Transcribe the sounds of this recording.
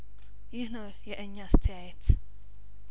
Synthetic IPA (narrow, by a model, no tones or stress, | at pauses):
jɪhnəwjɛʔɨɲːast̪ʰəjajɛt̪